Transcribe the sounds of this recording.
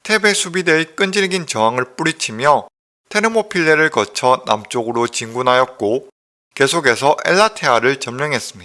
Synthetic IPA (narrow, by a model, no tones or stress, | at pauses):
tʰe̞be̞sʰubidek͈ɯnd͡ʑiɭɡint͡ɕʌŋɦaŋɯɭp͈uɾit͡ɕʰimjʌ | tʰe̞ɾɯmopʰiɭːeɾɯɭkʌt͡ɕʰʌna̰mt͡ɕ͈oɡɯɾot͡ɕiŋɡunɦajʌk̚k͈o | ke̞sʰoɡe̞sʰʌʔeɭːatʰeaɾɯɭt͡ɕʌmmjʌŋɦe̞s͈ɯmɲida